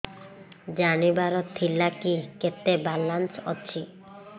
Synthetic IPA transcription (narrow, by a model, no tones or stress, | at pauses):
d͡ʒanibaɾɔt̪ʰːilakiket̪ebalansɔ̰t͡ʃʰi